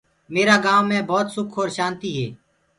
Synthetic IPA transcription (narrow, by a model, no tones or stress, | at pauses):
meːɾaːɡãːʋmẽːbɔːt̪sʊkʰoːɾʃaːnt̪iːɦɛː